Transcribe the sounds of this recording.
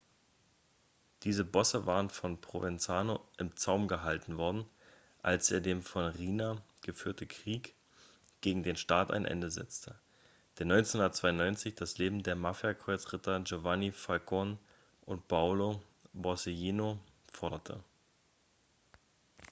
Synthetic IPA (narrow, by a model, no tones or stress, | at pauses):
d̥iːzəbɔsəvaːʁənfɔnpʁ̥ovɪnt͡saːnoʔɪmt͡saʊmɡəɦaltn̩vɔɐdn̩ | ʔalsʔeːɐdeːmfɔnʁiːna | ɡ̥əfyːɐtn̩kʁ̥iːk | ɡ̥eːɡŋ̩deːnʃtaːta̰ɪnʔɛ̰ndəzɛ̰t͡stʰə | d̥eːɐnɔʏnt͡senhʊndɐtt͡sv̥aɪʊnːɔʏnt͡sɪçd̥asleːbm̩deːɐmafjakʁ̥ɔʏt͡sʁ̥ɪtʰɐd͡ʒovanifalkʰɔn | ʔʊnt̚pʰaʊlo | bɔseiːno | fɔɐɾɐtʰə̰